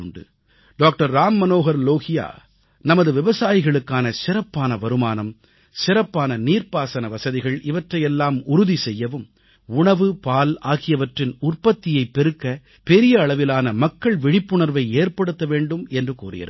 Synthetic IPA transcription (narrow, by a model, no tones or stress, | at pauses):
ɳɖɯ̰ | ɖaːk̚ʈɐɾːaːmːɐnoːɣɐɾloːɣɪja̰ː | nɐmɐðɯʋɪʋɐsaːjɪɣɐɭɯkːaːnɐsɪɾɐpːaːnɐʋɐɾɯmaːnɐm | sɪɾɐpːaːnɐniːɾpaːsɐnɐʋɐsɐðɪɣɐɭʔɪʋɐʈrɐjɛlːaːmʊɾʊðisɛjːɐʋɯm | ʊɳɐʋɯpaːlaːɣɪjɐʋɐʈrɪnʊrpɐt̪ːɪjɐɪpːɛɾɯkːɐ | pɛɾɪjɐːɭɐʋɪlaːnɐmɐkːɐɭʋɪɽɪpːɯɳɐɾʋɐɪeːrpɐɽɯt̪ːɐʋeːɳɖɯmɛndrɯkṵːrɪ̰jɐ̰ɾ